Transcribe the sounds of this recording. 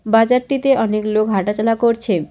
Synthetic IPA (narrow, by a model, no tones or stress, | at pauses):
bad͡ʑaɾʈit̪eʔɔneklokɦaʈat͡ɕalakoɾt͡ɕʰe